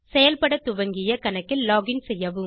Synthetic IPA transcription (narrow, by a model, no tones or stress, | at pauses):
sɛjɐlpɐɽɐt̪ʊʋɐŋɡɪjɐkɐnɐkːɪlːaːɡɪnsɛjːɐʋɯm